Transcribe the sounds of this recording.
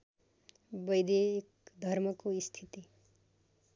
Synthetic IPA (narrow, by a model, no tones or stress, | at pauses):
bʌjd̪eːkd̪ʱʌrmʌkoist̪ʰit̪i